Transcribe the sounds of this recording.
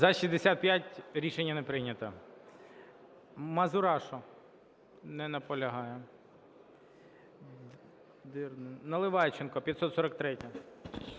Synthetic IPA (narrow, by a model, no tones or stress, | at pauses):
zɐʃizʲd̪esʲat̪̚pʲjatʲɾʲiʃenʲːɐnepɾɪnʲɐt̪ɐ | mɐzʊɾɑʃɔ | nɛnɐpɔlʲɐɦɑjɛ | d̪ɪrnɪnɐlˠɪʋɑjt͡ʃenkɔpʲjɐt̪sɔt̪sɔɾɐk̚t̪ɾɛtʲɐ